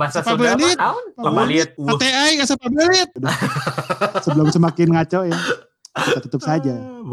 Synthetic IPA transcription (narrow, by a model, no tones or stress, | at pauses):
sapabɾalipaalt̪at̪eajkasapabalɪt̪̚d | səbəlʊmsəmakɪnŋat͡ʃɔja | akitat̪ut̪əp̚sad͡ʒa